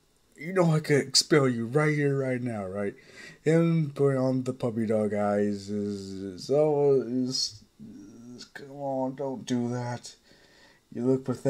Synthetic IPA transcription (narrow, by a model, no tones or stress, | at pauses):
jɨnoʊaɪkʰɨɾɨkspɛlˠjɨɹaɪt̚hiɹɹaɪtⁿnaʊɹaɪt̚ɨ̃nbõŋə̃nðəpʰʌbidɔɡaɪzɪzɪsɔlˠwzɪs | zkʰʌ̃mə̃ndõʊ̃nd̥ɨðæt | jɨlʊkfəð